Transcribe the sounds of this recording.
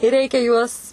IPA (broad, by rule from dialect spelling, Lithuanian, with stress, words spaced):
ɪr ˈrʲɛɪkʲɛ juɔs